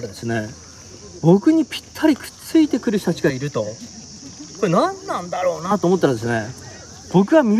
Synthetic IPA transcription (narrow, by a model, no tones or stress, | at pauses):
ɾad̪e̞sɨne̞ | bo̞kɯ̟ɲ̟ipʲi̥t̪ʰːaɾʲikɯ̥t͡sɨit̪e̞kɯ̟ɾɯ̟ɕo̥t̪at͡ɕi̥ɡaiɾɯ̟t̪o̞ | koenãnːãnd̪aɾo̞ːnat̪oːmot̪ːaɾad̪e̞sɨne̞ | b̥o̞kɯ̟βam